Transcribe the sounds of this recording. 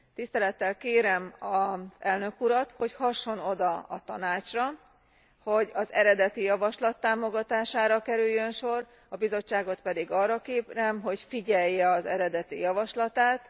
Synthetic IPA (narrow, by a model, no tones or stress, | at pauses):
t̪ist̪ɛlɛt̪ːɛlkeːɾɛmɒz̥ɛlnø̞kuɾɒt̪ho̞chɒʃːo̞no̞d̪ɒɒt̪ɒnaːt͡ʃrɒ | ho̞ɟɒzɛɾɛd̪ɛt̪ijɒvɒʃlɒt̪ːaːmo̞ɡɒt̪aːʃaːɾɒkɛɾyjːønʃo̞r | ɒbizo̞t͡ʃːaːɡo̞t̪pɛd̪iɡɒrːɒkeːprɛmɦo̞cfiɟɛjːɛɒzɛ̰ɾɛd̪ɛt̪ḭjɒvɒʃlɒt̪aːt̪